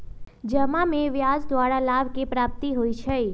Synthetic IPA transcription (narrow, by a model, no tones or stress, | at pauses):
d͡ʒəmameʋjad͡ʒd̪ʋaɽalaʋkepɾap̚t̪iɦoit͡ʃʰɛ